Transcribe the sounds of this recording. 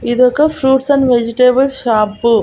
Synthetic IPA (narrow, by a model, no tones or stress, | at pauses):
id̪ɔkɐpʰɾuːʈsɐnʋed͡ʒiʈeːbɐlʃaːpːu